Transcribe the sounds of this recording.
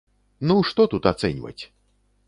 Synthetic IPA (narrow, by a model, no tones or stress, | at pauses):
nuʂt̪ɔt̪ut̪at̪sɛnʲvɐ̰t͡sʲ